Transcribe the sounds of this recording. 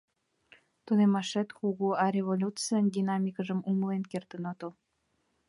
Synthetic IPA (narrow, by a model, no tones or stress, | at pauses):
t̪unemɑʃet̪xuɣuɑɾʲevolʲut͡sɨjənd̪ʲinɑmʲikəʒə̆muməlenkert̪ə̆nŏt̪o